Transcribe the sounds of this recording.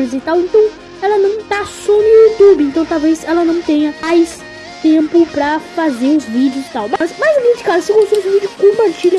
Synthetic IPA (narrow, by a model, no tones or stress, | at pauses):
ɾɪzit̪awẽnt̪ɐ̃w̃ | ɛlɐnɐ̃w̃t̪asɔnʊjut̪ubɪẽnt̪ɐ̃w̃t̪awvezɛlɐnɐ̃w̃t̪ẽɲɐajs | t̪ẽmpʊpɾɐfazeɾʊzvid͡ʒɪʊzɪ̥t̪awmasmajzomẽt͡ʃɪkazʊsɪkõsemɪzʊvid͡ʒʊkõpaɾt͡ʃiʎɐ